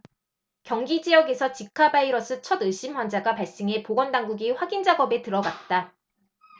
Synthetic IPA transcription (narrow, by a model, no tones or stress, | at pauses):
kjʌŋɡid͡ʑijʌɡe̞sʰʌt͡ɕikʰabaiɾʌs͈ʰɯt͡ɕʰʌdɯɕ͈imɸwʌnd͡ʑaɡapaɭs͈ɯŋe̞poɡʌndaŋɡuɡiɸwaɡind͡ʑaɡʌbe̞tɯɾʌɡat̚t͈a